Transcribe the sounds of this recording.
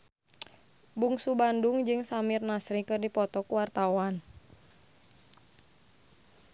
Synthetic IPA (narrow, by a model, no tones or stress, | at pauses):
buŋsubandʊŋd͡ʒɨŋsamirnasɾikɨrdipɔt̪ɔkuwart̪awan